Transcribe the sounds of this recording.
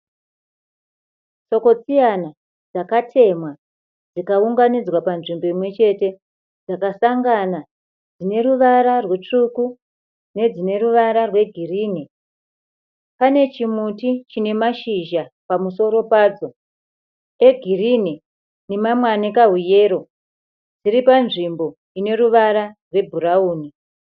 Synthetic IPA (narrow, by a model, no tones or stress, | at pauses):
t͡so̞ko̞t͡sijana | d͡zakatʰe̞mwa | d͡zikauŋɡanid͡zwapanʐimbo̞imwe̞t͡ʃe̞te̞ | d͡zakasaŋɡana | d͡zine̞ɾuʋaɾarwe̞t͡ʂuku | ne̞d͡zine̞ruʋaɾarwe̞ɡʱiriːni | pane̞t͡ʃimutit͡ʃine̞maʃiʒapamuso̞ɾo̞paːd͡zo̞ | e̞ɡʱirine | ne̞mamwanekaɦuje̞ːɾo̞ | d͡ziɾipanʐimbo̞ | ine̞ɾuʋaɾarwe̞bʱuɾauːni